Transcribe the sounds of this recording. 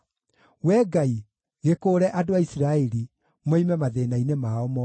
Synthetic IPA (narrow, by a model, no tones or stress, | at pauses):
wɛɡai | ɣekoːɾɛʔadoaisiɾaɛɾi | mɛimɛmaðeːnainemaɔmɔ